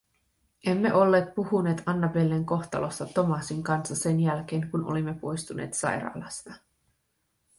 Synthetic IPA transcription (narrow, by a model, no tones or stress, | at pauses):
ʔe̞mːe̞̰ʔo̞lːeːt̪̚puhune̞ːt̪ɑnːɑbe̞lːeŋko̞xt̪ɑ̰lost̪ɑt̪o̞mɑsiŋkɑnsːɑse̞njælk̟e̞ːŋkunʔo̞̰limːe̞po̞jst̪unʔe̞̰ːt̪sɑ̰jɾɑ̰ːlɑst̪ɑ